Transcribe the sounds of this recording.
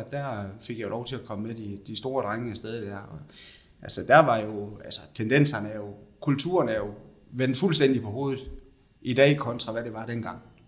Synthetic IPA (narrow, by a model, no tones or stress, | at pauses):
d̥æɐfe̝ɡ̥jɑ̈lɒʊt͡sʰe̝ækʰɒ̽məmed̥id̥isd̥o̝ːɐd̥ʁaŋəæsd̥eð̞ˠəd̥æɐ̰ɒ̽ | ʔælsəd̥æɐʋɑ̈jo̝ælsɐ̥t͡sʰend̥en̰sɐnæjo̝kʰult͡sʰṵːɐnæjo̝ | ʋen̰d̥fulsd̥en̰d̥ipʰɒ̽ho̝̰ːð̩ˠ | id̥ɛ̰ːikʰɒ̽nt͡sʰʁɑ̈ʋæɾ̥e̝ʋɑ̈d̥enɡ̥ɑ̈ŋ̰